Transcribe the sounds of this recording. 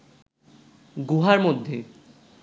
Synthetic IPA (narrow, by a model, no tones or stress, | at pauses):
ɡuɦaɾmod̪ʱːe